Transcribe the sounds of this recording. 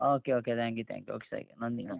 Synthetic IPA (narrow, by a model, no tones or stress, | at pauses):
oːkeoːket̪ʰæ̃ŋk̬jut̪ʰæ̰̃ŋkjuo̰ːke̥sɐ̰ɾɡḛnɔnd̪in